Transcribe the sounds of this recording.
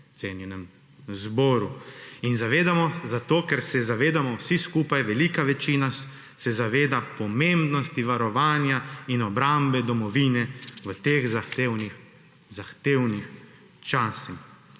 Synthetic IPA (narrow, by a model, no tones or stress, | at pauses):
t̪seːnjɛnɛm | zbɔːɾuinzaʋeːd̪amɔzat̪oːkɛɾsɛzaʋeːd̪amɔwsiskuːpajʋɛliːkaʋɛt͡ʃiːna | sɛzaʋeːd̪apɔmẽmbnɔst̪iʋaɾɔʋaːnjainɔbɾambɛd̪ɔmɔʋiːnɛʋət̪eːxzaewni | zaxt̪eːwnix | t͡ʃaːsix